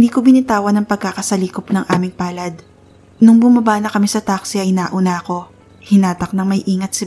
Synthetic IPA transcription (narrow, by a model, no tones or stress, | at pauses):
nd̪iːkobɪnɪt̪aːwɐnɐŋpɐɡ̚kakɐsɐliːkopnɐŋʔa̰ːmɪŋpaːlɐd̪ | nʊŋbʊmɐbaːnɐkɐmisɐt̪aksiɐjnaːʔʊnaɐko̞ | hɪnaːt̪ɐk̚nɐŋmɐjʔiːŋɐt̪sɪ